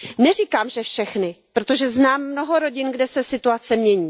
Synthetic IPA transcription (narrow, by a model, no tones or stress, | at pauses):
nɛr̝iːkaːmʒɛfʃɛxnɪpɾot̪o̞ʒɛznaːmːno̞ɦo̞ɾo̞ɟɪnɡdɛsɛsɪt̪uat͡sɛmɲɛɲiː